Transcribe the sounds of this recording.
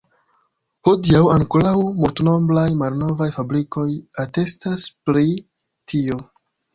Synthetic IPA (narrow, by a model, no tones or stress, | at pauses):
hodiawaŋkulawmultno̞blajmalno̞vajfabɾiko̞jate̞staspli | tʰio̞